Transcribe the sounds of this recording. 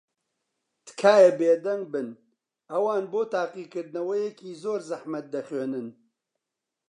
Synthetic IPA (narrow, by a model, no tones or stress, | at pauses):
t̪ɨ̥kʰaːjebeːd̪ɐŋ̚bɨn | ɐwaːnboːt̪aːqiːkɨɾd̪nɐwɐjekiːzoːɾzɐħmɐt̪̚d̪ɐxweːnɨn